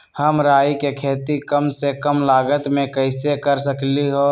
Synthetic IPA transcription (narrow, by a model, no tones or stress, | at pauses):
həmɾaːikekʰeːt̪ikəmsekəmlaːɡət̪mẽkəɪsekəɾsəkliɦoː